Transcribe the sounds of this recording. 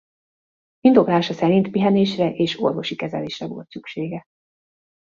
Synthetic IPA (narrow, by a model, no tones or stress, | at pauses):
ind̪o̞ɡlaːʃɒsɛɾint̪piɦɛneːʃrɛʔeːʃo̞̰rvoʃikɛzɛleːʃrɛvo̞̰lt̪sykʃeːɡɛ